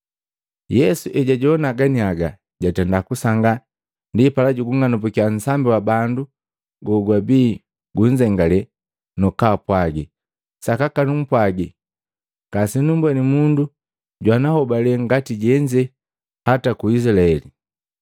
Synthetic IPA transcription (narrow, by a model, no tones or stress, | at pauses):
jɛsuʔɛɟaɟɔnaɡaniaɡa | ɟatɛndakusaŋɡa | ndipalaɟuɡuŋanupukian̩sambiwabandu | ɡɔɡwabiː | ɡuɲd͡ʒɛŋɡalɛ | nɔkaːpwaɡi | sakakanum̩pwaɡi | kasinumbwɛnimundu | ɟwanahɔbalɛŋɡatiɟɛɲd͡ʒɛ | hatakuislaɛli